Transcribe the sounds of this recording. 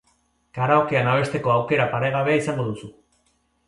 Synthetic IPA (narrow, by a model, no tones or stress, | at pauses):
kaɾaokeanaβ̞e̞st̪e̞ko̞awke̞ɾapaɾeɣ̞aβe̞aisaŋɡo̞ðusu